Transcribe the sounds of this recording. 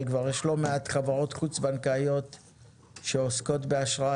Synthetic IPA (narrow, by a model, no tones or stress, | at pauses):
kvaʁjɛʃlo̞meat̪χavaʁo̞t̪χut͡sbankajo̞t | ʃeosko̞t̬beaʃʁa